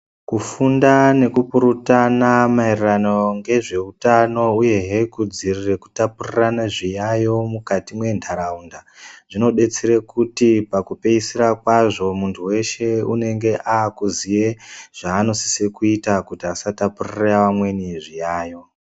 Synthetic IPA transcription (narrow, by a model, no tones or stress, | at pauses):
kufundane̞kupuɾutanamairranoŋɡe̞ʐe̞utano̞uje̞ɦekud͡zirireku̥tapuriranaʐijajo̞mukatimwe̞ndʰaɾaundaʐ̥ino̞ɗe̞t͡seɾekutipakupe̞isiɾakwaʐo̞muntʰuwe̞ʃe̞une̞ŋɡe̞ʔaːkuzije̞ʐ̥aːno̞si̥sekuitakutiasatapurireaʋamwe̞niʐijaːjo̞